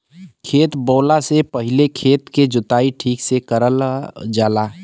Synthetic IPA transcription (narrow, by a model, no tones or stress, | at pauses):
kʰeːt̪bɔːlasepəɦɪlekʰeːt̪ked͡ʒʊt̪aːiʈʰiːksekəɾəld͡ʒaːlaː